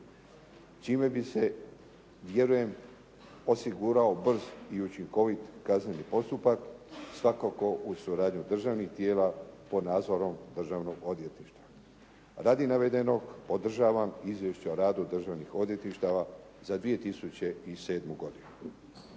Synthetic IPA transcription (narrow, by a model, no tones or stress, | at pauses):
t͡ʃiːme̞bise̞ | ʋje̞ɾuje̞m | o̞siɡuːɾao̞br̩ziut͡ʃiŋko̞ʋit̪kaznenipo̞st̪upaksʋakako̞ʔusuɾaːd̪ɲud̪r̩ʒaːʋnixt̪je̞ːlapo̞d̪naːd̪zo̞ɾo̞md̪r̩ʒaʋno̞ɡo̞d̪je̞t̪niʃt̪ʋa | ɾaːd̪inaʋe̞d̪e̞no̞ɡpo̞d̪r̩ʒaːʋamizʋjeʃt͡ɕeoɾaːd̪ud̪r̩ʒaʋnixo̞d̪je̞t̪niʃt̪aʋa | zad̪ʋije̞t̪isut͡ɕe̞ise̞ːd̪muɡo̞d̪inu